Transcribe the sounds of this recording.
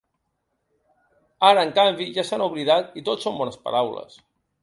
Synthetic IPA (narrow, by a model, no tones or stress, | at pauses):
aɾəːŋkambiʒasanuβliðat̪it̪otsombɔnəspə̰ɾawlə̰s